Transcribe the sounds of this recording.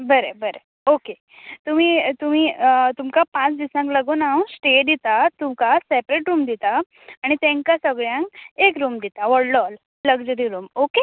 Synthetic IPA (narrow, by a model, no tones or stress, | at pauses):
bəɾebəɾe | oke | t̪um̤iːt̪um̤iːt̪umkapãt͡sd̪isãŋkləɡonawsʈed̪it̪at̪umkasepɾeʈɾuːmd̪it̪a | aɽ̃it̪ẽŋkasəɡɭjãŋkekɾuːmd̪it̪aʋəɽləl | ləɡd͡ʑəɾiɾuːmoke